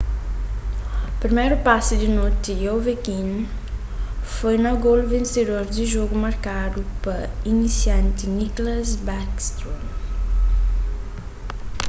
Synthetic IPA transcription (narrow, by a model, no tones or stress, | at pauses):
pɾimɛjɾupasid̪inot̪iowvekin | fojnɐɡolvẽnsed̪oɾd̪iʒoɡumɐɾkad̪upɐinisjãnt̪iniklɐzbakst̪ɾom